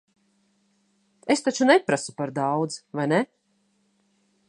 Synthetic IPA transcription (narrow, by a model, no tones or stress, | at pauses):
est̪at͡ʃunɛpɾasupaɾd̪awd̪zvajnɛ